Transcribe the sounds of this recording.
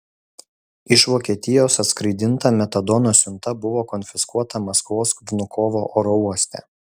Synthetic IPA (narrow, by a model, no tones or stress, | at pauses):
ɪʃʋoːkʲiɛt̪ʲɪjoːsɐt̪skɾɐɪd̪ʲɪnt̪ɐːmʲɛt̪ɐd̪ɔnoːsʲʊnt̪ɐbʊʋoːkɔnʲfʲɪskuɔt̪ɐmɐskʋoːsʋnʊkʰɔːʋoːʔoːɾɔuɔsʲt̪ʲɛ̰ː